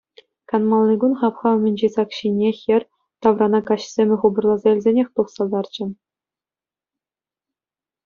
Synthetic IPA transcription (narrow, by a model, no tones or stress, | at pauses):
kɑnmɑlˠnʲɤɡunχɑpχɑmʲɘ̆nʲd͡ʑisɑkɕinʲexʲɘ̆rʲ | t̪ɑʋrɑnɑkɑɕsʲemʲɘ̆χubɤ̆rlˠɑzɑilʲzʲenʲexʲt̪uχsɑlˠd̪ɑrt͡ɕɘ̆